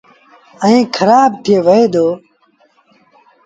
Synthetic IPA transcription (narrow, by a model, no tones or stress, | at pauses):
əĩːkʰəɾaːb̚t̪ʰɪeːʋəeːd̪oː